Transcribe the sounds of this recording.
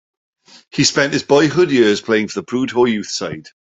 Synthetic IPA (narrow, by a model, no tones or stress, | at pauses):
hispɛ̃ntɪzbɔɪɦʊdjɪəz̥pʰl̥eɪɪ̃ŋfəðəpʰɹ̥uːdɦɔjʉˑθsaɪd̥